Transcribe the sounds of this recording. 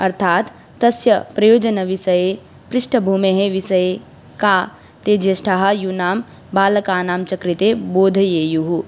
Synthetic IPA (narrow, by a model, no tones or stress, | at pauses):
ɐɾt̪ʰaːt̪ː | ɐsjɐpɾɐjoːd͡ʒɐnɐʋisɐje | pɾɪʃʈʰɐbʱuːmeɦeʋisɐje | kaː | t̪eːd͡ʒjɐsʈʰaɦɐjunaːm | baːlɐkaːnaːmt͡ʃɐkɾit̪eboːd̪ʱɐjeːjuɦu